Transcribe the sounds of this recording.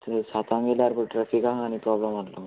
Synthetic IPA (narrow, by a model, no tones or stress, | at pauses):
t̪sat̪ãŋɡeljaɾpəʈɾɛfikãɦañipɾɔbləmalo